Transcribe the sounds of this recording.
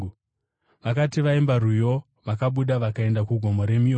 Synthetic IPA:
ʋakatiʋaimbarujo̞ | ʋakaɓuɗaʋakae̞ndakuɡʱo̞moɾe̞mio

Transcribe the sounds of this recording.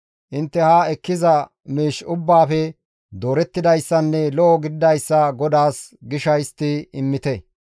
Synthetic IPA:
ʔɪnt̪ːɛhaːɛkːɪzɐ | miːʃʊbːaːfɛ | d̪o̞ːɾɛt̪ːɪd̪ɐjsːɐnːɛlɔʔɔɡɪd̪ɪd̪ɐjsːɐɡɔd̪aːsɡɪʃɐjst̪ːɪɪmːɪt̪ɛ

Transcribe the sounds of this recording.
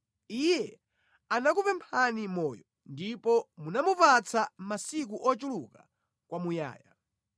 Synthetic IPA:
ijɛ | anakupɛmpʰanimɔːjɔ | ndipɔmunamupat͡sʰamasik̬uʔɔt͡ʃuluka̰ | kwamuja̰ːja̰

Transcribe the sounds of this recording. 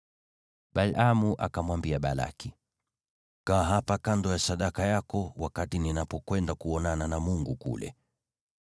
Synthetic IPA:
ɓalamuʔa̰kamwambiaɓala̰ki | kaɦapakandɔjasaɗakajakɔwakatininapɔkwɛndakuɔnananamuŋɡukṵlɛ̰

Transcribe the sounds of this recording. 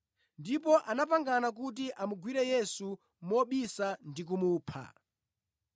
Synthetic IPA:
ndipɔʔanapaŋɡanak̬ut̬iʔamuɡwiɾɛjɛsu | mɔɓisandik̬umuːpʰa̰

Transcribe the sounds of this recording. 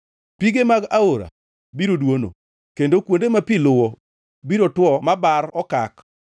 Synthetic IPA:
piɡemaɡaoɾa̰ | biɾodwono̰ | kendokwondemapilʊwɔ | biɾotwɔmabaɾɔkak

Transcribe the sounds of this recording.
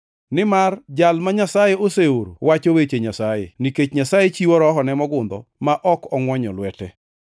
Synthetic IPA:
nɪmard͡ʒalmaɲasajeoseoɾowat͡ʃowet͡ʃeɲasajḛniket͡ʃɲasajet͡ʃiwɔɾɔɦɔnɛmɔɡʊnd̪ɔ̰maʔɔkɔŋwɔɲɔlwɛtɛ

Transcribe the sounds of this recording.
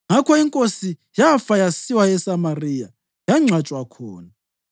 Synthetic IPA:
ŋakʰɔiŋkʼosi | jafajasiwaɛsamarija | jaŋ͡ǀʱat͡ʃʼwakʰɔːna

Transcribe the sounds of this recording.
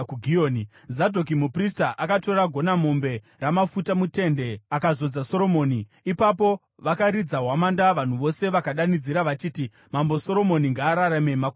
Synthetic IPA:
uɡʱioːni | zadʱo̞k̬imupristaʔakato̞ɾaɡʱo̞namo̞mbe̞ | ramafutamute̞nde̞akazo̞d͡zaso̞ɾo̞mo̞ːni | ipap̬o̞ | ʋakaɾid͡zaɦwamandaʋan̤uʋo̞se̞ʋakaɗanid͡ziɾaʋat͡ʃiːti | mambo̞so̞ɾo̞mo̞niŋɡaːɾaɾamemak

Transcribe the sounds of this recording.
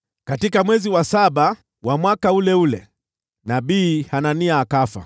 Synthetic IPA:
katikamwɛziwasaɓa | wamwakaulɛulɛ̰ | naɓiːhananiaːkafa̰

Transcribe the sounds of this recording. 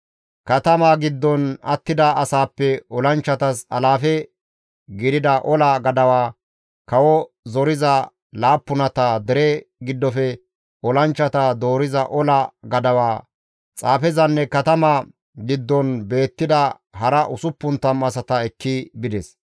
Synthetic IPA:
kɐt̪ɐmaːɡɪd̪ːɔnɐ̰t̪ːɪd̪ɐɐsaːpːɛɔlɐnt͡ʃːɐt̪ɐsɐ̰laːfɛ | ɡɪd̪ɪd̪ɐʔɔlɐɡɐd̪ɐwaː | kɐwɔ | zɔɾɪzɐ | laːpːʊnɐt̪aːd̪ɛɾɛɡɪd̪ːɔfɛ | ɔlɐnt͡ʃːɐt̪ad̪o̞ːɾɪzɐʔɔlɐɡɐd̪ɐwaː | t͡sʼaːfɛzɐnːɛkɐt̪ɐmaː | ɡɪd̪ːɔnbe̞ːt̪ːɪd̪ɐ | ɦɐɾɐʔʊsʊpːʊnt̪ːɐmɐsɐt̪ɐɛkʰːɪbɪd̪ɛs

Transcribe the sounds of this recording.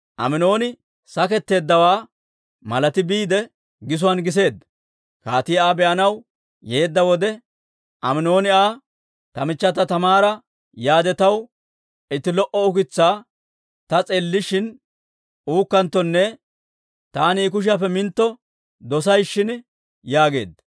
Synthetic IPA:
ʔɐ̰mɪno̞ːnɪ | sɐkɛt̪ːe̞ːd̪ːɐwaː | mɐlɐt̪ɪbiːd̪ɛ | ɡɪs̬ʊwɐnɡɪs̬e̞ːd̪ɐ | kaːt̪ɪjaːbɛʔɐnɐw | je̞ːd̪ːɐwɔd̪ɛ | ʔɐmɪno̞ːnɪaː | t̪ɐmɪt͡ʃːɐt̪ːɐt̪ɐmaːɾɐ | jaːd̪ɛt̪ɐw | ɪt̪ːɪlɔʔɔʊkɪt͡sːaː | t̪ɐt͡sʼeːlːɪʃɪn | uːkːɐnt̪ːɔnːɛ | t̪aːniːk̬ʊʃ̬ɪɐpːɛmɪnt̪ːɔ | d̪ɔs̬ɐjʃːɪn | jaːɡe̞̰ːd̪

